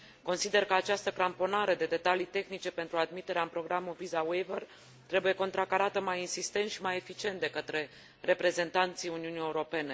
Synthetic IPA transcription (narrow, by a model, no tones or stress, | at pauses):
ko̞nsid̪e̞rkəat͡ʃast̪əkɾampo̞naɾe̞d̪e̞d̪e̞t̪alit̪e̞xnit͡ʃe̞pe̞nt̪ɾuad̪mit̪e̞ɾeaɨmpɾo̞ɡɾamulvizawever | t̪ɾe̞buje̞ko̞nt̪ɾakaɾat̪əmajinsist̪e̞nt̪ʃimaje̞fit͡ʃie̞nt̪̚d̪e̞kət̪ɾe̞ | re̞pɾe̞ze̞nt̪ant̪sijuniunije̞uɾo̞pe̞ne̞